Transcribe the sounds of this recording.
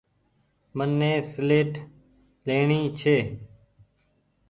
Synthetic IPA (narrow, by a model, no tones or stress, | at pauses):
mənːẽːsleːʈ | leːɳiːt͡ʃʰeː